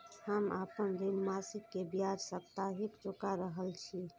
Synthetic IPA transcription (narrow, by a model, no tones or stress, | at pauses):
həmapənɾinmasikːebjad͡ʒsəp̚t̪aɦikt͡ʃokaɾəɦəlt͡ʃʰi